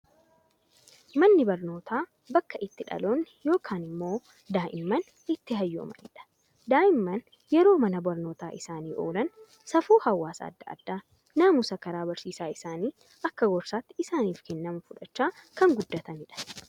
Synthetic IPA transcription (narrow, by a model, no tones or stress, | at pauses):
mɐnːɪbɐɾno̞ːt̪ʰaː | bɐkːɐʔɪt̪ːɪᶑɐ̰loːnːjo̞ːkʰaːnɪmːo̞ː | d̪aːʔɪmːɐn | ɪt̪ːɪɦɐjːo̰ːmɐ̰nɪᶑɐ̥ | d̪aːʔɪmːɐn | jɛɾo̞ːmɐnɐbɐɾno̞ːt̪aːʔɪsaːniːʔo̞̰ːlɐn | sɐfuːhɐwːaːsɐ̰a̰ːd̪ːɐʔɐ̰d̪ːaː | naːmʊsɐkɐɾaːbɐɾsiːsaːɪsaːniː | ʔɐkːɐɡɔɾsaːt̪ːɪɪsaːniːfkɛnːɐmʊfʊᶑɐt͡ʃːaːkɐŋɡʊd̪ːɐt̪ɐnɪᶑɐ̥